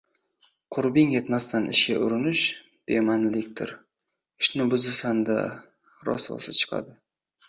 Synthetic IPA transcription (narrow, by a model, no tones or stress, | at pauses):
qʰʊɾbɪŋje̞t̪mast̪ʰanʔɪ̰ʃkʲaʔʊɾɪnɪʃ | b̥emanlɪkʲt̪ʰɪ̰ɾ | ɪʃnɪbʊzɪsand̪a̰ | ɾɒ̰swɒ̰sɪt͡ʃʰɨ̥qʰɑ̰d̪ɪ